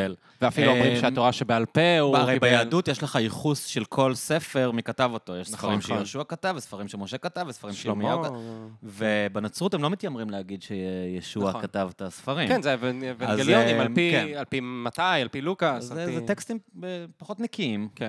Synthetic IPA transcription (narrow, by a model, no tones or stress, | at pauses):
el | veafiluomʁiʃeamoʁaʃebealpeuaʁejbejaːdutjeʃleχaiχusʃelkʰo̞lse̞fe̞ʁmikatavo̞t̪o̞jeʃsfʁimʃʃejoʃuakatavesfaʁimʃemoʃe̞katavesfaʁimʃelomjokvebenat͡sʁutemlo̞mit̪jamʁimleaɡid̪ʃejeʃuakat̪avetasfaʁimkenzevevaazelonimalpiealpimat̪ajalpilukaszezet̪ekst̪imepaχo̞t̪nikiimken